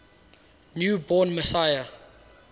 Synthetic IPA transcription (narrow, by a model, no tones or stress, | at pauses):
njubɔnməsajə